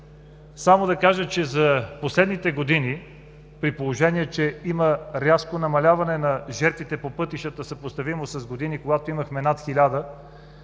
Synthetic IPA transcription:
samod̪ɐkaʒət͡ʃɛzɐposlɛd̪nit̪ɛɡod̪ini | pɾipolˠoʒɛniɛt͡ʃɛiməɾʲaskonɐmɐlʲavɐnɛnɐʒɛɾt̪vit̪ɛpopɤt̪iʃət̪əsɐpost̪ɐvimosɐzɡod̪inikoɡat̪oimɐxmɛnat̪xilʲad̪ə

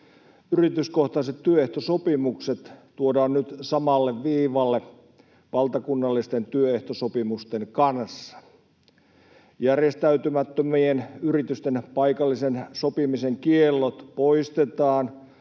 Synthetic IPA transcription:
yrit̪yskoht̪ɑiset̪tyøeht̪osopimukset̪t̪uodɑːnnyt̪sɑmɑlːeʋʋiːʋɑlːe | ʋɑlt̪ɑkunːɑlːist̪ent̪yøeht̪osopimust̪eŋkɑnsːɑ̥ | jærjest̪æyt̪ymæt̪ːømienyrit̪yst̪enpɑikɑlːisensopimiseŋkielːot̪poist̪et̪ɑːn

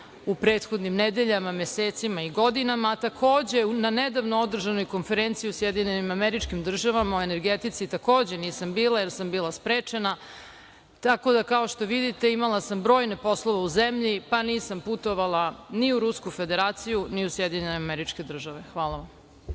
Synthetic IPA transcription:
upɾeːt̪xo̞d̪nimned̪e̞ʎamamjeseːt̪simaiɡo̞d̪inamat̪akʰo̞ːd͡ʑe̞unaned̪aʋnood̪r̩ʒano̞jko̞nfeɾent̪siusjed̪iɲenimameɾit͡ʃkimd̪r̩ʒaʋamaue̞ne̞ɾɡet̪it̪sit̪ako̞ːd͡ʑe̞niːsambiːlˠajeɾsambiːlˠaspɾeːt͡ʃe̞na | t̪ako̞d̪akao̞ʃt̪o̞ʋid̪it̪e̞imalasambɾo̞ːjne̞po̞slˠoʋeuzemʎipaniːsamput̪o̞ʋalˠaniuɾuskufe̞d̪e̞ɾaːt̪sijuniusjed̪iɲeneameɾit͡ʃke̞d̪r̩ʒaʋe̞xʋaːlˠaʋam

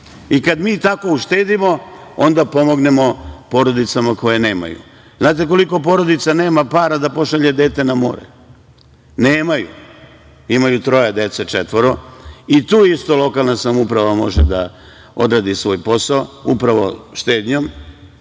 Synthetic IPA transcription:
ikad̪miːt̪ako̞uʃt̪eːd̪imo̞o̞nd̪apo̞mo̞ɡne̞mo̞po̞ɾo̞d̪it̪samako̞jene̞ːma̰jṵ | znaːt̪̬eko̞liko̞p̬o̞ɾo̞d̪it̪sane̞ːmapaːɾad̪apo̞ʃaʎe̞d̪e̞ːt̪enamo̞̰ːɾḛ | neːmajṵ | imajut̪ɾo̞jed̪et̪set͡ʃet̪ʋoɾo̞it̪uːist̪o̞lo̞kalˠnasamoupɾaʋamo̞̰ʒed̪a | o̞̰d̪ɾad̪isʋo̞ːjpo̞saoupɾaʋo̰ʃt̪e̞ːd̪ɲom

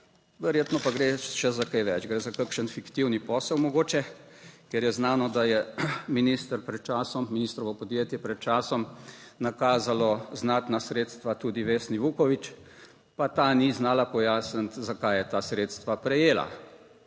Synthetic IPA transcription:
ʋɛɾjeːt̪nɔpaɡɾeʃɛzakajʋɛt͡ʃɡɾeːzakakʃənfikt̪iwnipɔːsɛwmɔɡoːt͡ʃɛkɛɾjɛznaːnɔd̪ajɛminist̪əɾpɾɛt̪̚t͡ʃaːsɔmminiːst̪ɾɔʋɔpɔd̪jeːt̪jɛpɾɛt̪̚t͡ʃaːsɔmnakaːzalɔznaːt̪nasɾeːt̪st̪ʋat̪uːd̪iʋeːsniʋukɔʋit͡ʃ | pat̪aːniznaːlapɔjaːsənt̪zakajjɛt̪aːsɾeːt̪st̪ʋapɾɛjeːla̰

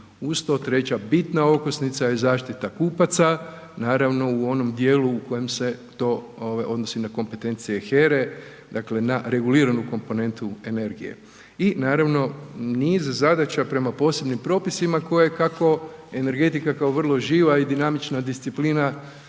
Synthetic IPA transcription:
ust̪ot̪ɾe̞t͡ɕabit̪nao̞kosnit̪sajezaːʃt̪it̪akuːpat̪sa | naːɾaʋno̞uo̞no̞md̪jeːluːko̞je̞mse̞t̪o̞ː | oʋajʔo̞d̪no̞sinako̞mpe̞t̪e̞nt̪sije̞xe̞ɾe̞ | d̪akle̞naɾe̞ɡuliːɾanuko̞mpo̞ne̞nt̪ue̞ne̞ɾɡije̞̰ | inaːɾaʋno̞niːzzad̪at͡ɕapɾe̞mapo̞ːse̞bnimpɾo̞ːpisimako̞jekako̞e̞ne̞ɾɡe̞t̪ikakao̞ʋr̩lˠo̞ʒiːʋaid̪inamit͡ʃnad̪ist̪sipliːna

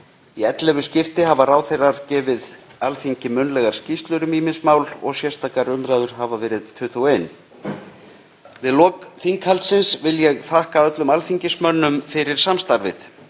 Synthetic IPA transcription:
iɛt̪lɛvʏscɪft̪ɪɦavaraːwθejrːaɾcɛːvɪð | alfiɲcɪmʏnlɛɣaɾ̥scist̪lʏɾʏmiːmɪnsmaːwlɔ̰ɣsjɛst̪aːkaɾʏnɾaːðʏɾ̥ɦavavɛːɾɪðt̪ʰʏːt̪ʰuweːjn | vɪðlɔːkθiŋkhalt̪sɪnsvɪljɛɣθahkaœt̪lʏmalfiɲcɪsmœnːʏmfɪɾɪɾ̥samst̪aɾvɪ̰θ

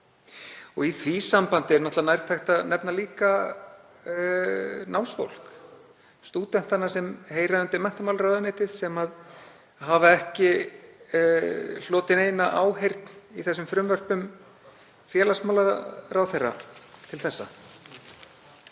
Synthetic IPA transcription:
ɔɣiθʰvisampant̪ɪɛɾnɔht̪lanaːjɾt̪ʰajht̪anɛpnaliːka | nʔawsfo̰wl̥k | st̪uːt̪ɛn̥t̪anːasɛmheːjɾaðʏnt̪ɪmɛn̥t̪amawlɾœðaneːt̪ɪðsɛmað | ɦavaɛhcɪ | l̥ɔːt̪ɪneːjnaʔaːwɦejɾt̪niθɛsːʏmfɾʏmvœr̥pʏm | fjɛːlasmawlaɾɾawθejrːa̰t̪ʰɪlθɛsːa̰

